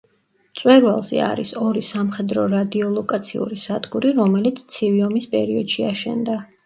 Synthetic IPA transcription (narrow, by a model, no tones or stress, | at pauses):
t̪sʼwɛɾwalˠzɛ̰a̰ɾisɔɾisamχɛd̪ɾɔɾad̪iɔlˠɔkʼat̪sʰḭṵɾisad̪ɡuɾiɾɔmɛlit̪sʰt̪sʰiviɔmispʼɛɾiɔd̪̥ʃiaʃɛ̰nd̪a